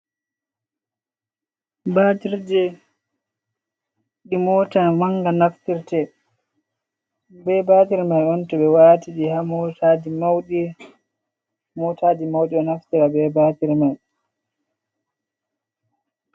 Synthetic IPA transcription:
batiɾd͡ʒɛ | ɗimɔtamaŋɡanaftiɾtɛ | bɛbaːtiɾmajɔntɔɓɛwaːtiɗihamɔtadimawɗi | mɔtad͡ʒimawɗiɗɔnaftiɾabɛbatiɾmaj

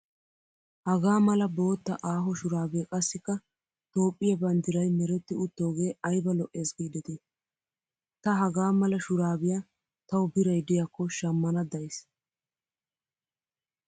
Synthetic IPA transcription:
hɐɡaːmɐlɐbo̞ːt̪ːɐʔaːɦɔʃʊɾaːbeːkʼɐsːɪkːɐ | t̪o̞ːpʼːɪjɐbɐnd̪ɪɾɐjmɛɾɛt̪ːɪʊt̪ːoːɡe̞ːɐjbɐlɔʔe̞ːsɡiːd̪ɪt̪ɛ | t̪ɐɦɐɡaːmɐlɐʃʊɾaːbɪja | t̪ɐwʊbɪɾɐjd̪ɪjakːɔʃɐmːɐnɐd̪ɐjs

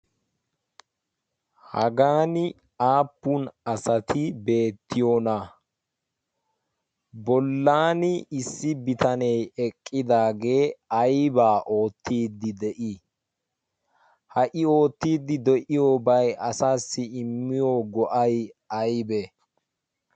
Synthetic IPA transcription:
hɐɡaːnɪ | aːpːunɐsɐt̪ʰɪbe̞ːt̪ːɪjoːnɐ | bɔlːaːnɪɪsːɪbɪt̪ɐnɛjɛkʼːɪd̪aːɡe̞ːɐjbaːʔo̞ːt̪ʰːiːd̪ːɪd̪ɛʔɪ | hɐʔɪo̞ːt̪ːiːd̪ːɪd̪ɛʔɪjoːbɐjʔɐsaːsːɪɪmːɪjoːɡɔʔɐjɐjbɛ

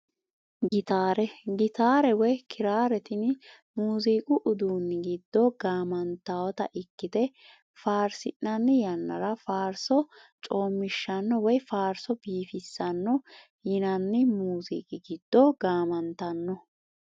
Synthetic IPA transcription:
ɡɪt̪aːɾɛɡɪt̪aːɾɛwɔjkʰɪɾaːɾɛt̪ɪn | muːziːkʼʊʔʊd̪uːnːɪɡɪd̪ːɔɡaːmɐnt̪ːawɔt̪ɐ̰ʔɪkːɪt̪ɛ | faːɾsɪ̰ːɐnːɪjɐnːɐ̰ɾɐfaːɾsɔ | t͡ʃʼo̞ːmːɪʃːɐnːɔwɔjfaːɾsɔbiːfɪsːɐnːɔ | jɪnɐnːɪmuːzḭːkʼɪɡɪd̪̥ːɔɡaːmɐnt̪ɐnːɔ

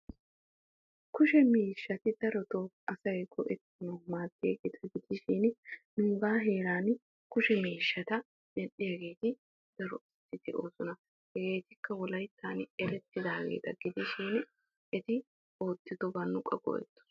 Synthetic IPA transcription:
kʊʃɛmiːʃːɐt̪ɪd̪̥ɐɾɔt̪oːʔɐsɐjɡɔʔɛt̪ːɪnɔmaːt̪ːɪjɐɡeːt̪ʰɐɡɪd̪ɪʃɪnnʊŋɡaːɦe̞ːɾaːn | kʊʃɛmiːʃːɐt̪ɐ | dɛnɗɪjɐɡe̞ːt̪ɪ | d̪̥ɐɾɔɪst̪ːɪt̪ɪʔo̞ːsɔnɐ | hɛɡe̞ːt̪ɪkːɐwɔlɐjt̪ʰːaːnɛlɛt̪ːɪd̪aːɡḛːt̪ɐɡɪd̪ɪʃiːn | ʔɛt̪ɪ | oːt̪ʼːɪd̪ɔbɐnːʊkʼɐ̰ɡʼɔ̰jɛ̰t̪ːʊ̥

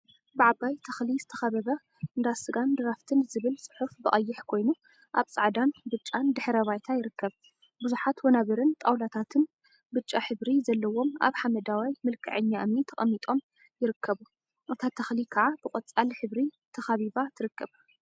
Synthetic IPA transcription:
bɨʕabajt̪ʰɐxlizɨt̪ʰɐ̥xɐβɐβɐ | ɨnd̪asɨɡand̪ɐɾaft̪ʰɨnzɨβɨlsʼɨ̥ħufbɨχʼɐjːɪħkʰo̞jnu | ʔaβt͡sʼaʕd̪anbɨt͡ʃʼːand̪ɨħɾɐβajt̪ʰajɪɾɨkːɐβ | bɨzuħat̪wɐnaβɐɾɨnt̪ʼawlat̪ʰat̪ʰɨn | bɨt͡ʃʼːaħɨβɾizɐlːɐwo̞ma̰βħamɐd̪awajmɨlkʰɨ̰ʕɨɲːaʔmit̪ʰɐχʼɐmːit̪ʼo̞m | jɪɾɨkʰːɐβu | ʔɨt̪ʰat̪ʰːɐxlikʰɐʕab̥ɨkʼɐt͡sʼalħɨβɾi | t̪ʰɐxaβiβat̪ʰɨɾɨkʰːɐβ

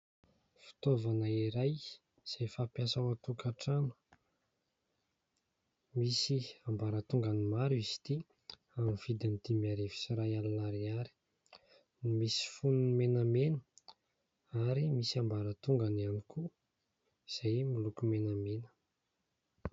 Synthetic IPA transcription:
fi̥t̪ovanaiɾaj | z̥ejfapjasawat̪ukaʈ͡ʂanu̥ | misiambaɾət̪uŋɡanimaɾuizi̥t̪i | amiv̥id̪ind̪̥imaɾevi̥siɾajalanaɾiaɾi̥ | nimisi̥fununmenamenə̥ | aɾimisambaɾət̪uŋɡanianikʰu | iz̥ajmilukumenamenə̥

